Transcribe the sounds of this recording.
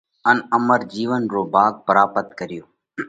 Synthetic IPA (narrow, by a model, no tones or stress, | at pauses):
ənəməɾd͡ʒiːʋənɾoːbʱaːɡ̚pəɾaːpət̪kəɾɪjoː